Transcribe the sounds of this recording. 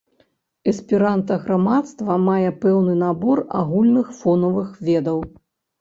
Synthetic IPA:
ɛspʲiɾant̪ɐɣɾamat̪st̪vɐmajɛpɛwnɨnabɔra̰ɣulʲnɨxfɔnɐvɨxvʲɛd̪ɐw

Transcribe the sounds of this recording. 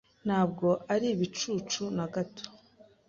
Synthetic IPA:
n̥haːb̚ɡo̞ʔaɾiβit͡ʃuːt͡ʃunaɡato̥

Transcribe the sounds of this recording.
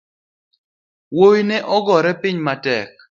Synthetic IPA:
wowinɛʔɔɡɔɾɛpɪɲmatɛ̰k̚

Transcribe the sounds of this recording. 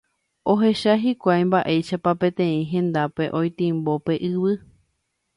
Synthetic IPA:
o̞ɦe̞ʃaɦikʷajmbaʔe̞jʃapapẽ̞t̪ẽ̞ĩɦẽ̞nd̪ape̞ʔõ̞jt̪ĩmbo̞pe̞ʔɨβɨ

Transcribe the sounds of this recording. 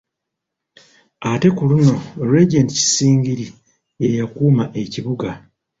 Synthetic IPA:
ate̞kuluno̞ɾeɟentci̥siːŋɟiɾi | jejakuːmaʔe̞ciβuɡa

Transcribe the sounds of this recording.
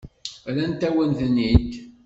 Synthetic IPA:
ælænt̪æwənθənːid̪

